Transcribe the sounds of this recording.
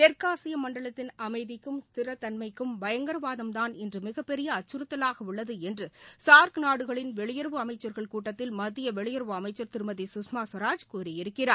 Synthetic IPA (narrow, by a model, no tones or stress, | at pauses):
t̪ɛɾkaːsɪjɐmɐɳɖɐɭɐt̪ːɪnɐmɐɪðɪkːɯmst̪ɪɾɐt̪ːɐnmɐɪkːɯmʋɐjɐŋɡɐɾɐʋaːðɐmt̪aːnɪndrɯmɪɣɐpːɛɾɪjɐːt͡ʃːɯɾɯt̪ːɐlaːɣɐʊɭːɐðɯɛndrɯsaːɾknaːɽɯɣɐɭɪnʋɛɭɪjɐɾʋɯɐmɐɪt͡ʃːɐɾɣɐɭkuːʈːɐt̪ːɪlmɐðɪjɐʋɛɭɪjɐɾʋɯɐmɐɪt͡ʃːɐɾt̪ɪɾɯmɐðisʊsmaːsʋɐɾaːd͡ʒkuːɾɪjɪɾɯkːɪraːɾ